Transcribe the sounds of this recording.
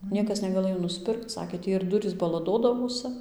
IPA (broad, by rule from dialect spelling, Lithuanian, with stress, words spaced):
ˈnʲiɛkɐs nʲɛɡɐˈlˠɘjoː nʊsʲˈpʲɪrkt͡s ˈsɑːkʲeː ˈtʲiː ɪr ˈdʊrʲiːs bɐlˠɐˈdoːdɐʋoːsɨ